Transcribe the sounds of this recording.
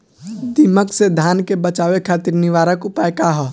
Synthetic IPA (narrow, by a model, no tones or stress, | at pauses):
d̪iməksed̪ʱaːnkebət͡ʃaːʋekʰaːt̪iɾnɪʋaːɾəkʊpaekaɦɔː